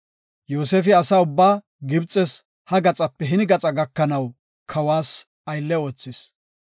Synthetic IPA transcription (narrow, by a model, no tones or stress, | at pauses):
joːseːfɪɐsaʊbːaː | ɡɪbt͡sʼɛs | hɐɡɐt͡sʼɐpːɛɦɪnɡɐt͡sʼɐɡɐkːɐnɐw | kʰɐwaːs | ɐjlːɛo̞ːt͡sːɪs